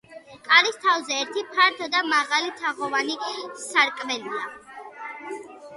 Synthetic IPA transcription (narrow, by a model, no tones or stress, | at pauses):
kʼaɾist̪ʰavzɛːɾt̪ʰipʰaɾt̪ʰɔd̪amaʁalit̪ʰaʁɔvanisaɾkʼvɛlia